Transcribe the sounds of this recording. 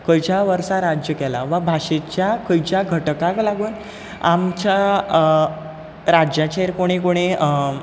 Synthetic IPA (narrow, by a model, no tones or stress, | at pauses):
kəjt͡ɕaʋəɾsaɾad͡ʑjəkɛlaʋabʱaʂet͡ɕjakəjt͡ɕjaɡʱəʈkãklaɡuːn | amt͡ɕja | ɾad͡ʑjat͡ɕeeɾkoɽ̃ekoɽ̃e